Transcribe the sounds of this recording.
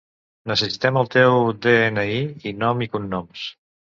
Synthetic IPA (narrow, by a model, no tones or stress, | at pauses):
nəsəsit̪ɛməlˠt̪ewd̪eenəiinɔmikunːɔms